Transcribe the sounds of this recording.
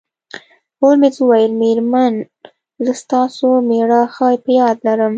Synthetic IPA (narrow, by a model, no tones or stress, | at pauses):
holmezuwajəlmeɾman | zəst̪ɑsomeɽɑxɑjpəjɑd̪laɾəm